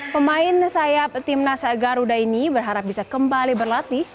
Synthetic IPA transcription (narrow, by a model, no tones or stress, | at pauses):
pəmaɪnsajap̚t̪ɪmnasaɡaɾudainibərɦaɾap̚bisakəmbalibərlat̪i